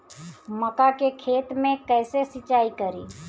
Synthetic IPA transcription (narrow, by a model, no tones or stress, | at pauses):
məkakekʰeːt̪mẽkɛːsesɪt͡ʃaːikəɾiː